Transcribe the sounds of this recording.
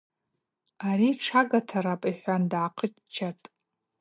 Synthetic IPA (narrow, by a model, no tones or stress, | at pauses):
aɾiʈ͡ʂʰaɡatʰaɾapʼiħʷandʕaqʰət͡ʃʼ | t͡ʃʰatʼ